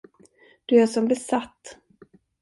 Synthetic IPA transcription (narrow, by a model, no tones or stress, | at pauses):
d̪̥ɵæʂɔmbɛsat̪ː